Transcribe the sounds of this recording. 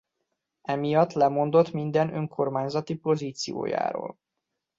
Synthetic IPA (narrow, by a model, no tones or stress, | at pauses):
ɛmijɒt̪ːlɛmo̞nd̪o̞t̪mind̪ɛnøŋkʰo̞rmaːɲzɒt̪ipo̞ziːt̪sijo̰ːja̰ːɾo̰ːl